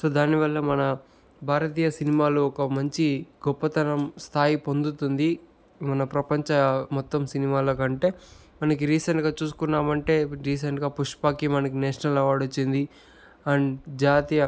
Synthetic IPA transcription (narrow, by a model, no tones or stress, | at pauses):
so̞ːd̪aːniʋɐlːɐmɐnɐ | bʱaːɾɐt̪iːjɐsinimaːloɔkɐmɐɲt͡ʃiɡɔpːɐt̪ɐnɐmst̪ʰaːjipond̪ut̪und̪i | mɐnɐpɾɐpɐɲt͡ʃɐmɔt̪ːɐmsinimaːloːkɐɳʈe̞ː | mɐnɐkiɾiːseɳʈɡaːt͡ʃuːsu̥kunːaːmɐɳʈe̞ːɾiːs̬eɳʈɡaːpuʂpaːkimɐnɐkineːʂnɐlɐʋaːɽut͡ʃːind̪i | ɐnd͡ʒaːt̪ijɐ